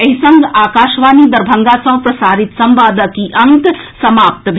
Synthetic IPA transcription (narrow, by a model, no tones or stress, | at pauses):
ɐɦisɐŋɡaːkaːʃʋaːniːd̪ɐɾbʱɐŋɡasɐɦpɾɐsaːɾit̪sɐmbaːd̪əkiʔɐŋk̪sɐmaːp̚t̪bʱ